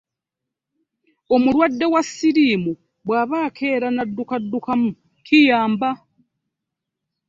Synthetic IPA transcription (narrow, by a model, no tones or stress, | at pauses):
o̞muɾwadːe̞wasiɾiːmu | βwaːβaːkʰeːɾanadːukadːukamu | kʰijaːmba